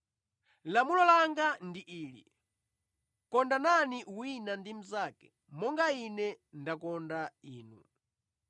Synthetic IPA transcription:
lamulɔlaŋɡandiʔiːlḭ | kɔndananiwinandim̩zaːkɛ̥ | mɔŋɡainɛndakɔndaiːnṵ

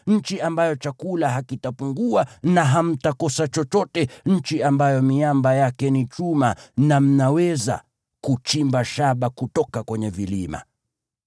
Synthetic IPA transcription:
ɲ̩t͡ʃiambajɔt͡ʃakulaɦakitapuŋɡuanaɦam̩takɔsat͡ʃɔt͡ʃɔtɛɲ̩t͡ʃiambajɔmiambajakɛnit͡ʃumanam̩nawɛza̰ | kut͡ʃimbaʃaɓakutɔkakwɛɲɛvilima̰

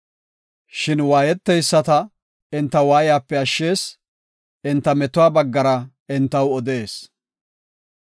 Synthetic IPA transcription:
ʃɪnwaːjɛt̪ːɛjsːɐt̪ɐ | ɪnt̪ːɐwaːjɪjaːpːɛɐʃːe̞ːs | ɪnt̪ːɐmɛt̪ʊwaːbɐɡːɐɾɐ | ɪnt̪ːɐwɔd̪e̞ːs

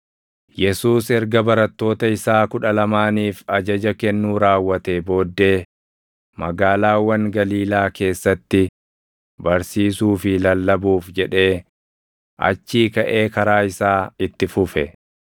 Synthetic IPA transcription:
jɛsuːsɛɾɡɐbɐɾɐt̪ːo̞ːt̪ɐɪsaːkʊᶑɐlɐmaːniːfɐd͡ʒɐd͡ʒɐkɛnːuːɾaːwːɐt̪ebo̞ːd̪ːe̞ː | mɐɡaːlaːwːɐŋɡɐliːlaːke̞ːsːɐt̪ːɪ | bɐɾsiːsuːfɪlɐlːɐbuːfd͡ʒɛᶑe̞ː | ʔɐ̰t͡ʃːiːkɐʔe̞ːkɐɾaːɪsaːɪt̪ːɪfʊfɛ̰

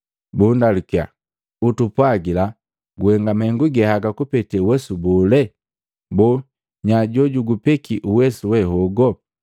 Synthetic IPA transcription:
bundalukia̰ | utupwaɡila | ɡuhɛŋɡamaɛŋɡuɡɛhaɡakupɛtɛwɛsubɔlɛ | bɔ | ɲaɟɔɟuɡupɛkʰiʔuwɛsuwɛɦɔɡɔ

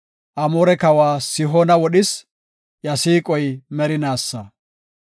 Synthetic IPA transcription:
ʔɐmoːɾɛkɐwaːsɪɦoːnɐwɔɗɪs | jɐsiːkʼɔjmɛɾɪnaːsːɐ

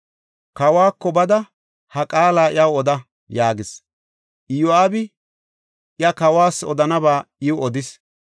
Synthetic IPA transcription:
kɐwaːkːɔbɐd̪ɐ | hɐkʼaːlaːʔɪ̰jɐwɔd̪ɐ | jaːɡɪs | ʔɪjʊaːbɪ | ʔɪɐkɐwaːsɔd̪ɐnɐbaːɪwʊɔd̪ɪs

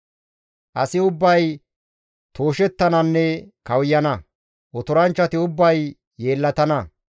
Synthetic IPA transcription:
ʔɐsɪʊbːɐj | t̪o̞ːʃɛt̪ːɐnɐnːɛkɐwjɐnɐ | ʔɔt̪ʊɾɐnt͡ʃːɐt̪ɪʊbːɐjː | e̞ːlːɐt̪ɐnɐ

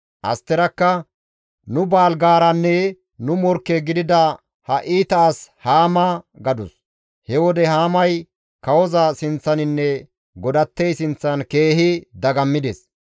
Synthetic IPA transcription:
ʔɐ̰st̪ːɛɾɐkːɐ | nʊbaːlɡaːɾɐnːɛ | nʊmɔɾkːɛɡɪd̪ɪd̪ɐ | hɐʔiːt̪aːshaːmɐɡɐd̪ʊs | hɛwɔd̪ɛhaːmɐj | kɐwɔzɐsɪnt͡sːɐnɪnːɛ | ɡɔd̪ɐt̪ːɛjsɪnt͡sːɐnke̞ːhɪd̪ɐɡɐmːɪd̪ɛs

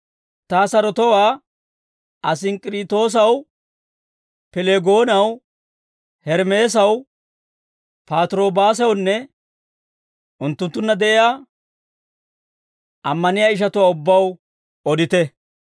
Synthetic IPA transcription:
t̪aːsɐɾɔt̪ɔwaː | ʔɐs̬ɪnkʼɪɾɪːt̪ːo̞ːs̬ɐw | pɛleɡo̞ːnɐw | hɛɾme̞ːs̬ɐw | paːt̪ɾo̞ːbaːs̬ɛwnːɛ | ʊnt̪ːʊnt̪ːʊnːɐd̪ɛʔɪjaː | ʔɐmːɐnɪjaːɪʃ̬ɐt̪ʊwaːʊbːɐw | ɔd̪ɪt̪ɛ

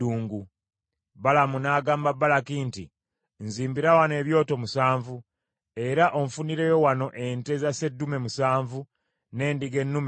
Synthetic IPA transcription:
uːŋɡu | βalamunaːɡaːmbabːalakinti | nziːmbiɾawane̞ːβjo̞ːto̞musaːɱvu | e̞ɾaʔo̞ɱfuniɾe̞jo̞wano̞ʔe̞nte̞zase̞dːume̞musaːɱvu | ne̞ːndiɡe̞nːum

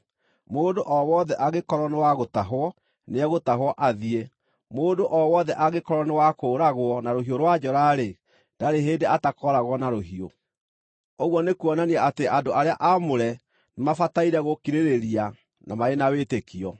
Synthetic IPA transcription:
moːdoʔɔwɔðɛʔaɣekɔɾɔnewaɣotaɦwɔ | neɛɣotaɦwɔʔaðie | moːdoʔɔwɔðɛʔaɣekɔɾɔnewakoːɾaɣwɔnaɾoɦioɾwad͡ʑɔɾaɾe | daɾeɦeːndeatakɔɾaɣwɔnaɾoɦio | oɣwɔnekuɔnaniaateʔandoaɾeaʔamoɾɛ | nemafataiɾɛɣokiɾeɾeɾia | namaenawetekiɔ

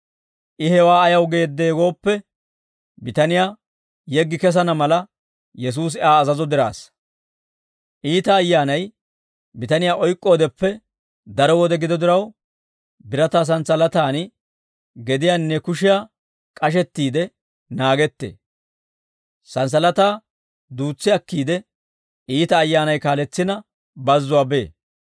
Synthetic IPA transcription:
ʔɪhɛwaːɐjɐwɡe̞ːd̪ːe̞ːɡo̞ːpːɛ | bɪt̪ɐnɪjaː | jɛɡːɪkɛs̬ɐnɐmɐlɐ | jɛs̬uːs̬ɪaːzɐzɔd̪ɪɾa̰ːs | ʔiːt̪ɐːjːaːnɐj | bɪt̪ɐnɪjaːʔɔjkʼːo̞ːd̪ɛpːɛ | d̪ɐɾɔwɔd̪ɛɡɪd̪ɔd̪ɪɾɐw | bɪɾɐt̪aːs̬ɐnsɐlɐt̪aːn | ɡɛd̪ɪjaːnːɛkʊʃɪjaː | kʼɐʃ̬ɛt̪ːiːd̪ɛ | naːɡɛt̪ːḛː | sɐns̬ɐlɐt̪aː | d̪uːt͡sːɪɐkːiːd̪ɛ | ʔiːt̪ɐːjːaːnɐjkaːlɛt͡sːɪnɐ | bɐzːʊwaːbeː

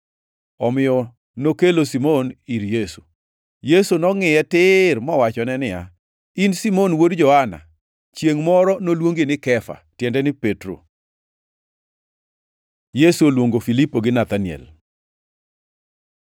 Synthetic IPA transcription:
ɔmɪjɔ | nokelosimoniɾjesu̥ | jesunɔŋɪɛtɪrmɔwat͡ʃɔnɛnɪja̰ | insimonwodd͡ʒɔhana̰ | t͡ʃjeŋmɔɾɔnolwoŋɡenɪkɛfa̰tjɛndɛnɪpetɾo̰ | jesuolwoŋɡofilipoɡɪnat̪anjɛ̰l

